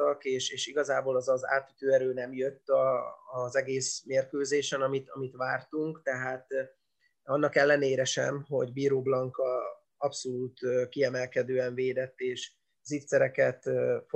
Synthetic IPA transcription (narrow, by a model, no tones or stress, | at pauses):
ɒkeːʃeːʃiɡɒzaːboːlɒzɒza̰ːt̪ːyt̪øːɛɾøːnɛmjøt̪ːɒːzɛɡeːsmeːrkøːzeːʃɛnɒmit̪ɒ̰mit̪ʋaːrt̪uŋkt̪ɛɦaːt̪ | ɒnːɒkɛlːɛneːɾɛʃɛ̰mɦo̞ɟbiːɾoːblɒŋkɒ | ɒpso̞luːt̪kiɛmɛlkɛd̪øːɛɱveːd̪ɛt̪ːeːʃ | zit̪sɛɾɛkɛt̪f